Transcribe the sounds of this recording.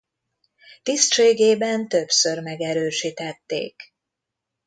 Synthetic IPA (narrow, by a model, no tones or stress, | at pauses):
t̪ist̪ʃeːɡeːbɛnt̪ø̞psørmɛɡɛɾøːʃiːt̪ɛt̪ːḛːk